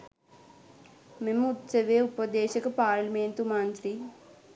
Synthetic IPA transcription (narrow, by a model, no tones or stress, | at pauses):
memut̪sɐʋeːupɐd̪ɛːʃɐkupaːɾlmeːnt̪umaːnt̪ɾi